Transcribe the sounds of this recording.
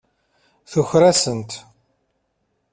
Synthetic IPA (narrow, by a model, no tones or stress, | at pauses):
θuçɾæsənt̪